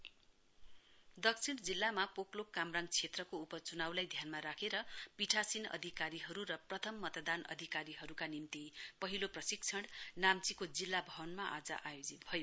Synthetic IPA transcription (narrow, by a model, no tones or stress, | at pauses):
d̪ʌksʰiɽd͡zilːamapoklokːamraŋt͡sʰet̪rʌkoupʌt͡sunawlajd̪ʱjanmaɾakʰeɾʌpiʈʰasinʌ̰d̪ʱikaɾiɦʌɾuɾʌprʌt̪ʰʌmːʌt̪d̪anʌ̰d̪ʱikaɾiɦʌɾukanimt̪ipʌɦiloprʌsik̚t͡sʰʌɽnamt͡sikod͡zilːabʱʌwʌnmaʔad͡zʌ̰ʔajod͡zit̪̚bʱʌjo